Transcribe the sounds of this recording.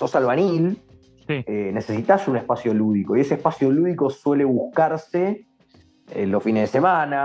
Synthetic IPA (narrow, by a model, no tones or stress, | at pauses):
sosalβanil | enesesit̪asunehpasjoluðiko̞ie̞sehpasjo̞luðiko̞swe̞le̞βuhkaɾse | ḛlːosfineɦðesemãna